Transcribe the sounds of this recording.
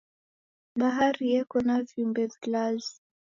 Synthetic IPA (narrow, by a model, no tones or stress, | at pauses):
ɓaɦaɾijɛkɔnavjumbɛðɡlazi